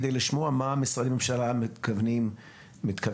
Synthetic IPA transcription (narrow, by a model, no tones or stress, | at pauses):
d̪ejliʃmoamaːmisʁadimemʃalamkavnim | mit̪ka